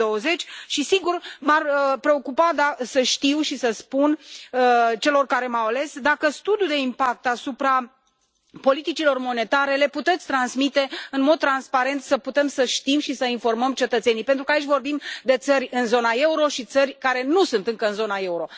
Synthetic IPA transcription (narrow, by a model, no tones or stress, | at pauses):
o̞əze̞t͡ʃʲʃisiɡurmarəpɾe̞o̞kupad̪asəʃt̪iwʃisəspun | t͡ʃe̞lo̞rkaɾe̞mawale̞sd̪akəst̪ud̪jud̪e̞impak̚t̪asupɾa | po̞lit̪it͡ʃilo̞rmo̞ne̞t̪aɾe̞le̞put̪e̞t̪sʲt̪ɾansmit̪e̞ɨnmo̞d̪̚t̪ɾanspaɾe̞nt̪səput̪e̞msəʃt̪imʃisəinfo̞rməmt͡ʃe̞t̪ət̪se̞nijpe̞nt̪ɾukəait͡ʃʲvo̞rbimd̪e̞t̪sərʲɨnzo̞nae̞uɾo̞ʃit̪sərʲkaɾe̞nusunt̪ɨŋkəɨnzo̞nae̞uɾo̞